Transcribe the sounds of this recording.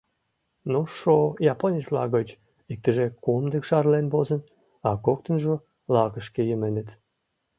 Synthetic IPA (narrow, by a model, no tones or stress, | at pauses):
noʃojɑponʲit͡ɕblɑ̰ɣət͡ɕ | ik̚t̪əʒekumd̪əkʃɑrlenbozən | ɑkokt̪ənʒo | lɑɣəʃkejəmenət̪